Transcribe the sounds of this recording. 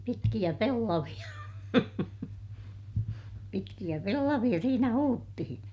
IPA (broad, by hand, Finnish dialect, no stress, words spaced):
pitkij̆æ pelːɑʋij̆ɑ pitkij̆æ pelːɑʋij̆ɑ siːnæ huːtːihĩː